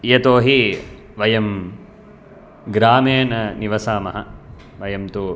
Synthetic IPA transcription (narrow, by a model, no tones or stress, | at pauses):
jɐt̪oːɦi | ʋɐjɐm | ɡɾaːmeːnɐniʋɐsaːmɐ̰ɦɐ̰ | ʋɐjɐmt̪u